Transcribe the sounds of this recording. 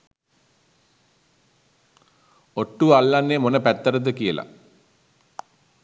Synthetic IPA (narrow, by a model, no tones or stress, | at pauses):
oʈːuʋalːanːemonəpæt̪ːəɾəd̪əkijəla̰